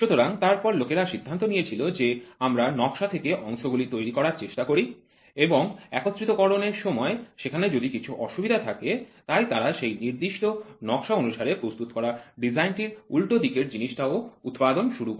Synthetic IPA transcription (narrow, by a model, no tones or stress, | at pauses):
ʃut̪oɾaŋt̪aɾpɔɾlokeɾaʃid̪ʱːant̪onijet͡ɕʰilod͡ʑeamɾanɔkʃat̪ʰekeʔɔŋʃoɡulit̪ojɾikɔɾaɾt͡ɕeʃʈakoɾi | eboŋɛkot̪ːɾit̪okɔɾoneɾʃɔmɔeʃekʰaned͡ʑod̪ikit͡ɕʰuʔɔʃubid̪ʱat̪ʰaket̪ajt̪aɾaʃejniɾd̪iʃʈonɔkʃaonuʃaɾepɾost̪ut̪okɔɾaɖid͡ʑajnʈiɾulʈod̪ikeɾd͡ʑiniʃʈaout̪pad̪onʃuɾuk